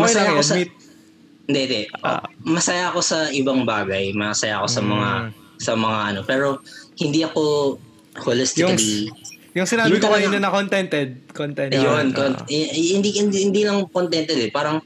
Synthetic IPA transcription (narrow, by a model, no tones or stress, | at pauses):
mɐɐjasɐit̪̚ | ɪnd̪ɛd̪ɛʔo̰mɐsɐjaɐko̞sɐʔɪbɐŋbaːɡɐjmɐsɐja̰ʔko̞sɐmɐŋa | sɐmɐŋaʔɐno̞pɛːɾo̞hɪnd̪iːʔɐko̞ | holɪst̪ɪkɐlijʊŋsɪnaːbɪkoɐnɐnɐkont̪ɛnt̪ɛd̪̚kont̪ɛjonkonhɪnd̪ihɪnd̪iːlɐŋkont̪ɛnt̪ɛd̪ɛpaːɾɐŋ